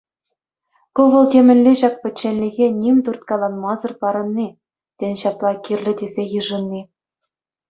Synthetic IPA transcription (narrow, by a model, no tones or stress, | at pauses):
koʋɤ̆lˠt̪ʲemʲɘ̆nʲlʲeɕɑk̚pʲɘ̆t͡ɕːĕnʲlʲiɣʲenʲimʲt̪urt̪̚kɑlˠɑnmɑzɤ̆rpɑɾɤ̆nːi | t̪ʲĕnʲɕɑplˠɑkʲirʲlʲɘ̆d̪ʲezʲejɯʐɤ̆nːi